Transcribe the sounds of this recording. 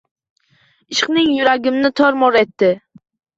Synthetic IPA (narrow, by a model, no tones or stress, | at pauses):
ɪʃqnɪŋjʊɾaɡʲɪmnɪt̪ʰɒɾmɒɾet̪ːɪ